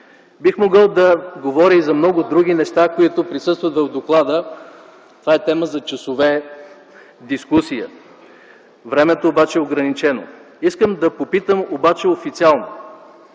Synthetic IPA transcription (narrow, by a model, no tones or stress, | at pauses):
bixmoɡəlˠd̪ɐɡovɔɾʲiizɐmnɔɡʊd̪ɾuɡʲinɛʃt̪akoit̪ʊpɾisɤst̪vɐt̪vəvd̪oklˠad̪ə | t̪ovaɛt̪ɛməzɐt͡ʃɐsovɛ | d̪iskusijə̰ | vɾɛmɛt̪oːbat͡ʃɛɛoɡɾɐnit͡ʃɛno̰ | iskəmd̪ɐpopit̪əmobat͡ʃɛofit̪sialˠno̰